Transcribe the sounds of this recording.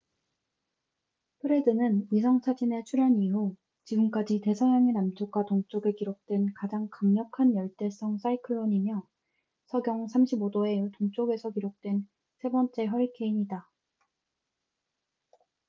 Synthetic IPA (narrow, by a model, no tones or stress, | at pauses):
pʰɯɾe̞dɯnɯnisʰʌŋt͡ɕʰad͡ʑine̞t͡ɕʰuɾaɲiɦu | t͡ɕiɡɯmk͈ad͡ʑite̞sʰʌɦjaŋenamt͡ɕʰukwatoŋt͡ɕ͈oɡekiɾok̚t͈we̞nkad͡ʑaŋkamɲʌkʰanjʌɭt͈e̞s͈ʌŋs͈aikʰɯɭːoɲimjʌ | sʰʌɡjʌŋsʰamɕʰibodoe̞toŋt͡ɕ͈oɡe̞sʰʌkiɾok̚t͈we̞n | sʰe̞bʌnt͡ɕ͈e̞ɦʌɾikʰe̞iɲida